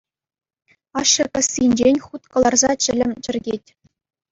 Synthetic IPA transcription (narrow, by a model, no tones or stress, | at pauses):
ɑʂːɤ̆kʲɑ̆sʲːinʲd͡ʑenʲχut̪kɤ̆lˠɑrzɑt͡ɕɘ̆lʲɘ̆mʲt͡ɕɘ̆rʲɡʲetʲ